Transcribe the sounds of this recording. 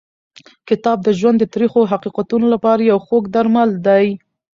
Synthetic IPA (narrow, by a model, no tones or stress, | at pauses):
kɪt̪ɑb̚d̪əʒwand̪ːət̪ɾixoɦaqiqat̪unolapɑɾajawxoɡd̪aɾmald̪aj